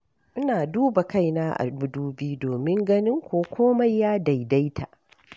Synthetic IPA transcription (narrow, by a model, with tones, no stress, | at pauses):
ʔɪ˦naː˨duː˦ba˨ka˦jnaː˦ʔa̰˨bʊ˨duː˦biː˦doː˨mɪ˦ŋɡɐ˦nɪ˦ŋkʷoː˦kʷʰoː˦ma˦jːaː˦da˨jda˦jtʰa̰˨ʔ